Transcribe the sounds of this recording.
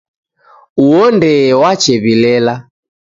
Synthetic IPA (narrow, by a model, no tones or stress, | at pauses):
uɔndɛwat͡ʃɛβilɛla